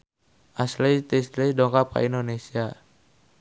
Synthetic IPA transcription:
ʔaslejt̪ɛslɛjdɔŋkapa̰indonesia

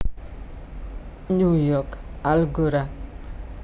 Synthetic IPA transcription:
ɲujɔkalɡoɾa

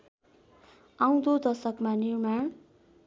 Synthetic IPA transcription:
aw̃d̪od̪ʌsʌkmanirmaɳ

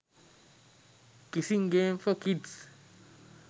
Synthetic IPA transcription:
kisĩŋɡẽːmfɔkids

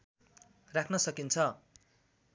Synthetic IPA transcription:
rakʰnʌsʌkint͡sʰʌ

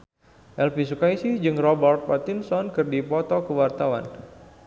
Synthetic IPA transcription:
ʔɛlpisukaisɪhd͡ʒɨŋrɔbɛrt̪̚pat̪insɔnkɨrdipɔt̪ɔkəwart̪awa̰n

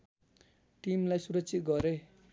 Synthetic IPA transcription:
ʈimlajsuɾʌksʰit̪̚ɡʌɾe

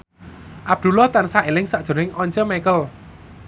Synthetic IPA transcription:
ʔab̚d̪̥ṳlɔht̪ansaʔelɪŋsaʔd̥ʒ̥o̤ɾɪŋɔɲt͡ʃəmɛkəl

